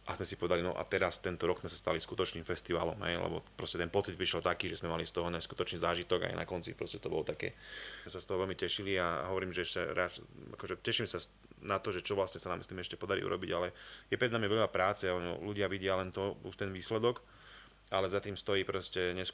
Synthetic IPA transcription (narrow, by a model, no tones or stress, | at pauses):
ʔazmɛsipɔʋɛd̪alinɔ̰ʔa̰t̪ɛɾast̪ɛnt̪ɔɾɔɡzmɛsḁst̪aliskut̪ɔt͡ʃniːmfɛst̪iʋaːlɔmɦɛ̰jlɛ̰bɔ̰pɾɔscɛt̪ɛnpɔtt͡sid̪̚pɾiʃɛlt̪akiːʒɛzmɛmalist̪ɔɦɔɲasku̥t̪ɔt͡ʃniːzaːʒit̪ɔɡa̰jna̰kɔnt͡sipɾɔscɛt̪ɔbɔlɔt̪akɛ̰ːsast̪ɔɦɔʋɛlmicɛʃiliaɦɔʋɔɾiːmʒɛɛʃcɛɾaːt͡ʃa̰kɔʒɛcɛʃimsa | nat̪ɔʒɛt͡ʃɔʋlasɲɛsanaːmisliːmɛʃcɛpɔd̪aɾḭʔṵɾɔ̰biɟalɛjɛpɾɛd̪namiʋɛʎapɾaːt͡sɛɔnɔ̰luɟɪaʋiɟɪalɛnt̪ɔṵʃt̪ɛnʋiːslɛd̪ɔk | alɛzat̪iːmst̪ɔjiːpɾɔscɛɲɛsk